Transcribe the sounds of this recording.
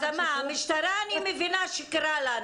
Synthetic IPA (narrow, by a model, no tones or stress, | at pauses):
d̪amaamiʃt̪aɾaːnimevinaʃikɾalan